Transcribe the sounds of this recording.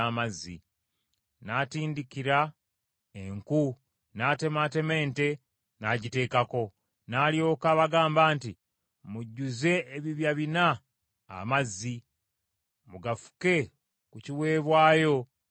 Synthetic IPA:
amazːḭ | natiːndikiɾa | eŋku | naːte̞mate̞me̞ːnte̞ | naɟite̞ːkako̞ | naːljo̞ːkaβaɡaːmbaːnti | muɟːuze̞ːβiβjaβina̰ː | mazːi | muɡafu̥ke̞ | kuciwe̞ːβwaːjo̞

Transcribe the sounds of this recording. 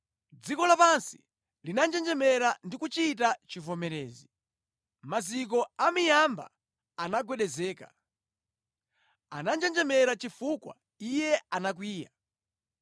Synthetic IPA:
d͡zikɔlapansi | linand͡ʒɛnd͡ʒɛmɛɾandikut͡ʃit̬at͡ʃivɔmɛɾɛːzi | mazik̬ɔamijamba̰ | anaɡwɛɗɛzɛːka̰ | anand͡ʒɛnd͡ʒɛmɛɾat͡ʃifukwa̰ | ijɛanak̬wiːja

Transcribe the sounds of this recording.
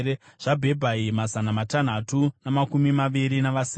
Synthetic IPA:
eʐ̥abʱe̞bʱaimazanamatan̤atunamakumimaʋiɾinaʋasi

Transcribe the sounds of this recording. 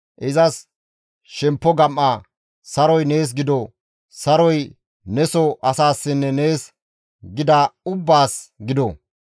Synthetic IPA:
ʔɪzɐs | ʃɛmpːɔɡɐmʔa | sɐɾɔjne̞ːs̬ɡɪd̪ɔ | sɐɾɔj | nɛsɔʔɐsaːsːɪnːɛne̞ːs | ɡɪd̪aːʊbːaːsɡɪd̪ɔ

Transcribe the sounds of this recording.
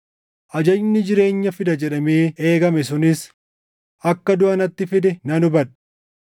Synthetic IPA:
ʔɐd͡ʒɐjnɪd͡ʒɪɾe̞ːɲːɐfɪd̪ɐd͡ʒɛᶑɐmeːʔeːɡɐmɛsʊnɪs | ʔɐkːɐd̪ʊʔɐnɐt̪ːɪfɪd̪ɛnɐnʊbɐᶑ

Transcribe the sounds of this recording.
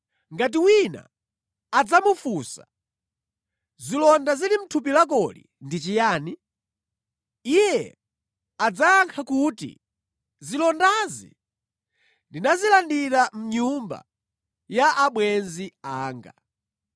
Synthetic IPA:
ŋɡat̬iwina̰ | ad͡zamufusa | zilɔndazilim̩tʰup̬ilak̬ɔlḭ | ndit͡ʃijaːni | ijɛ̰ | ad͡zaːŋkʰakutḭ | zilɔndazḭ | ndinazilandiɾam̩ɲumba̰ | jaʔaɓwɛnziaːŋɡa

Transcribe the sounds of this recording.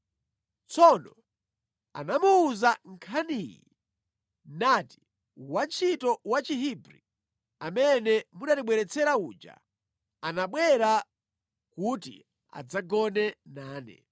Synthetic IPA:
t͡sʰɔnɔ | a̰namuuzaŋkʰaniːjḭ | nati̥ | want͡ʃʰitɔwat͡ʃiɦibɾḭ | amɛnɛmuɗatiɓwɛɾɛt͡sʰɛɾauːd͡ʒa̰ | anaɓwɛɾa | kutḭ | a̰d͡zaɡɔnɛnaːnɛ̰

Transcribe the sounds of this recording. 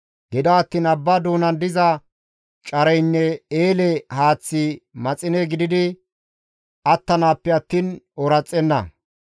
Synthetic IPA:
ɡ̥ɛd̪ɐːt̪ːiːnɐbːad̪uːnɐnd̪ɪzɐ | t͡ʃʼɐɾɛjnːɛeːlɛhaːt͡sːɪmɐt͡sʼɪnɛɡɪd̪ɪd̪ɪ | ɐt̪ːɐnaːpːɛɐt̪ːiːnɔɾɐt͡sʼːɛnːɐ̰

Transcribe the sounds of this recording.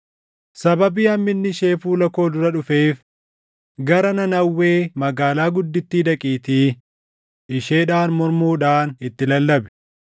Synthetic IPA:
sɐbɐbiːɐmːɪnːɪʃe̞ːfuːlɐko̞ːd̪ʊɾɐᶑʊfe̞ːf | ɡɐɾɐnɐnɐwːe̞ːmɐɡaːlaːɡʊd̪ːɪt̪ːiːd̪ɐkʼiːt̪iː | ɪʃe̞ːᶑaːnmɔɾmuːᶑaːnɪt̪ːɪlɐlːɐbɛ̥

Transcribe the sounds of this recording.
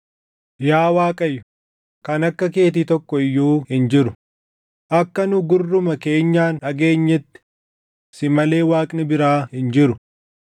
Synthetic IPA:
jaːwaːkʼɐjːʊ̥ | kɐnɐkːɐke̞ːt̪̬it̪ɔkːɔɪjːuːhɪnd͡ʒɪɾʊ | ʔɐkːɐnʊɡʊrːʊmɐke̞ːɲːaːnᶑɐɡe̞ːɲːɛt̪ːɪ̥ | sɪmɐle̞ːwaːkʼnɪbɪɾaːhɪnd͡ʒɪɾʊ

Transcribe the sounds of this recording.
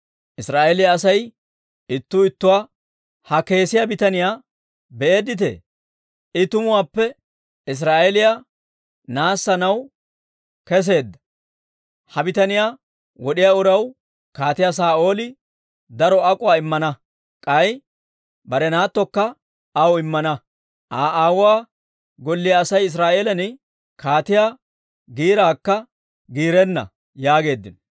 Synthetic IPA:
ʔɪsɾaːʔeːlɪjaːsɐj | ɪt̪ːʊɪt̪ːʊwaː | hɐke̞ːsɪjabɪt̪ɐnɪjaː | bɛʔe̞ːd̪ːɪt̪̬ḛ | ɪt̪ʊmʊwaːpːɛ | ɪs̬ɾaːʔelɪja | naːsːɐnɐw | kɛs̬e̞ːd̪ːɐ̥ | hɐbɪt̪ɐnɪjaː | wɔɗɪjaʊɾɐw | kaːt̪ɪjas̬aːʔo̞ːlɪ | d̪ɐɾɔɐkʼʊwaːɪmːɐnɐ | kʼɐj | bɐɾɛnaːt̪ːɔkːɐ | ɐwɪmːɐnɐ | ʔaːʔaːwʊaː | ɡɔlːɪjaːsɐjɪs̬ɾaːʔe̞ːlɐnɪ | kaːt̪ɪjaː | ɡiːɾaːkːɐ | ɡiːɾɛnːɐ̰ | jaːɡe̞ːd̪ːɪn

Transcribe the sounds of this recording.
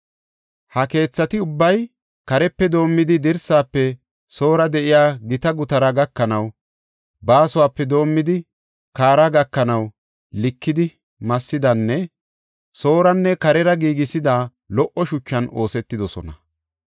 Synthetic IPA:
hɐke̞ːt͡sːɐt̪ɪʊbːɐj | kɐɾɛpːɛd̪o̞ːmːɪd̪ɪd̪ɪɾsaːpːɛ | so̞ːɾɐd̪ɛʔɪjaːɡɪt̪ɐɡʊt̪ɐɾɐɡɐkːɐnɐw | baːsʊwaːpːɛd̪o̞ːmːɪd̪ɪ | kaːɾaɡɐkːɐnɐw | lɪkːɪd̪ɪ | mɐsːɪd̪ɐnːɛ | so̞ːɾɐnːɛkɐɾɛɾɐɡiːɡɪsɪd̪aː | lɔʔɔʃʊt͡ʃːɐno̞ːsɛt̪ːɪd̪ɔsɔ̰nɐ

